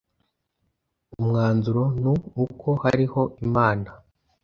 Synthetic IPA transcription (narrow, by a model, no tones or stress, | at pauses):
umŋaːnzuɾo̞nuːko̞haɾiho̞imaːna